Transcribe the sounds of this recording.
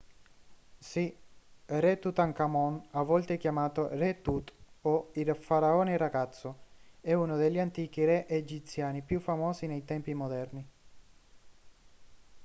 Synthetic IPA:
si | rɛt̪ut̪aŋkamɔnavːɔlt̪eɛk̟jamaːt̪orɛt̪ut̪oilfaɾaɔːneraɡat̪sːoɛunod̪eʎːant̪iːk̟irɛʔed͡ʒit̪sjaːnipjufːamɔːsinejt̪ɛmpimod̪ɛrni

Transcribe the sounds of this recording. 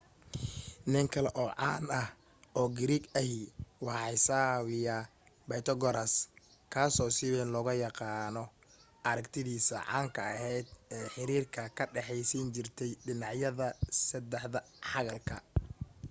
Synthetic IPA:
nɪŋkʰɐlɛʔɔːʕɑːnɐh | ʔɔːɡɪɾiːɡɐɦiwɑħɑjsaːwɪjɐ | bɐjt̪ʰɔɡɔɾɐs | kʰaːsɔːsɪlɛnlɔɣɐjɑqɑːnɔ | ʔɐɾɐkt̪ʰɪðiːsɐ̰ʕɑ̰ːŋkʰɐɐɦɛjd̪̚ɛːħɪɾiːrkʰɐkʰɐɖɛħɛjsint͡ʃɪrt̪ʰɛjɖɪnɑʕjɐðɐsɐd̪ɛħðɐ | ħɑɣɐlkʰɐ

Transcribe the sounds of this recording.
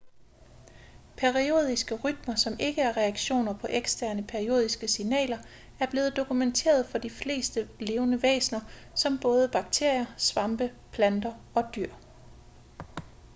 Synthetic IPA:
pʰeʁio̝ːð̞ˠisɡ̥əʁyd̥mɐsɒ̽me̝ɡ̥əæɐʁɛɑ̈ɡ̥ɕo̝̰ːnɐpʰɒ̽ʔeɡ̥sd̥æɐnəpʰeɐʁio̝̰ːð̞ˠisɡ̥əsinɛ̰ːlɐ | æɐb̥le̝ːð̞̩ˠd̥o̝kʰument͡sʰe̝̰ːɐðˠfɒ̽d̥ifle̝̰ːsd̥əle̝ːʊnəʋḛːsnɐ | sɒ̽mb̥ɔ̽ːð̞ˠəb̥ɑ̈ɡ̥̚t͡sʰe̝ɐ̰jɐsʋɑ̈mb̥ə | pʰlænd̥ɐ | ɒ̽d̥yɐ̰

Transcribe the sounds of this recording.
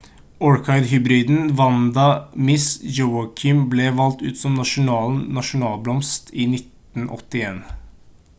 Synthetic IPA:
ɔɹkʰɑɪɾɦʏbɾiːd̪n̩ʋɑnd̪ɑmɪsd͡ʒoʊɑkʰɪmblɛʋɑlt̪ʉ̰ːt̪sɔmnɑʂʊnɑːlnnɑʂʊnɑːlblɔmst̪iːnɪt̪ | n̩ʔɔ̰t̪ːɪeːn

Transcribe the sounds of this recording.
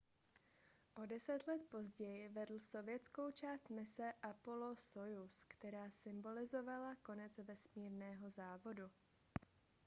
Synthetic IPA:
ʔo̞dɛsɛt̪lɛt̪po̞zɟɛjɪvɛdl̩so̞vjɛt͡sko̞wt͡ʃaːst̪mɪsɛʔapo̞lo̞sojuskt̪ɛɾaːsɪmbo̞lɪzo̞valako̞nɛt͡svɛsmiːɾnɛːɦo̞zaːvo̞du

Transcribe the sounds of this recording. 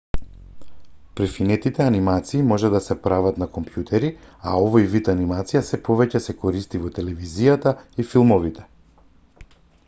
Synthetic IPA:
pɾifinɛt̪it̪ɛanimat̪siːmɔʒɛd̪asɛpɾavat̪nakɔmpjut̪ʰɛɾia̰ɔvɔjvit̪animat̪sijasɛpɔvɛcɛsɛkɔɾist̪ivɔt̪ɛlɛvizijat̪aifilˠmɔvit̪ʰɛ̥

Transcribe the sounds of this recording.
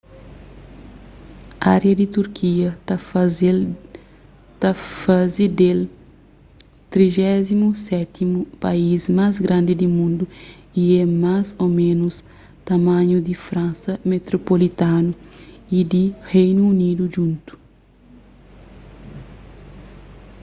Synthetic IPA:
aɾjɐd̪it̪uɾkʰiɐz | t̪ɐfazid̪el | t̪ɾiʒɛzimusɛt̪imupaizmazɡɾãnd̪id̪imũnd̪u | iɛmazomẽnus | t̪ɐmãɲud̪ifɾɐ̃nsɐmet̪ɾopolit̪anuid̪ihejnuunid̪uʒũnt̪u̥

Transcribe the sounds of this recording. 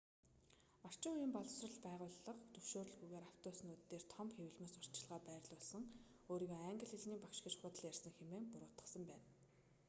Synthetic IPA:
ɔr̥t͡ɕɪ̆ujiːmpɔɮɞ̆wsrə̆ɮpæːʁʊːɮːə̆qt̪ɵwʃoːɾɵ̆ɮɡujɣeːɾaw̥t̪ʊːsnuːt̪ːeːrt̪ʰɔmpxewɘ̆ɮmʊːsʊr̥t͡ɕɪ̆ɮʁaːpæːrɮʊːɮsə̆ŋ | oːɾiːɣoːæŋɡə̆ɮiɮniːpakʃɡĕt͡ɕxʊːt̪ə̆ɮjærsə̆ŋxemeːŋpʊɾʊːt̪ə̥̆sə̆mpæːn

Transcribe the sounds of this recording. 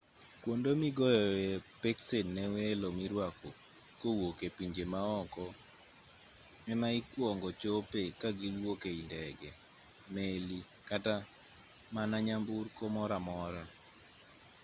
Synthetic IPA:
kwondomiɡɔjɔjepeksennɛwelomiɾwako | kowokepiɲd͡ʒemaɔkɔ | mɛmaikwɔŋɡɔt͡ʃopekaɡilwokeindɛɡɛ | melikata | manaɲamburkomɔɾamɔɾa

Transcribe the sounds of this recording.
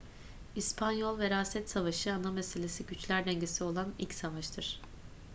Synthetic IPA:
ispʰanjolˠvɛɾaːsɛt̪savaʃɯanamese̞lʲesiɟyt͡ʃlʲæɾd̪ɛɲɟesio̞lˠanḭlʲcʲsavaʃt̪ʰɯɾ̥

